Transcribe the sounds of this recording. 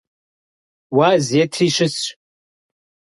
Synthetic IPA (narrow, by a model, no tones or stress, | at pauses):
waːzjɛtʰiːɕɪsɕ